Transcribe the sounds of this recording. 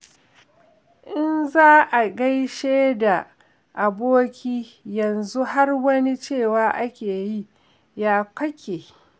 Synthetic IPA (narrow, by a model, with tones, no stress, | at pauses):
ʔɪ˦nzaː˦ʔa˨ɡa˦jʃeː˦da˨ | ʔa˨boː˦kʲiː˦jɐ˨nzu˦ha˦rwɐ˦ni˦t͡ʃeː˦˨waː˦ʔa˦kʲeː˨ji˦ | jaː˦kʷɐ˦kʲʰeː˨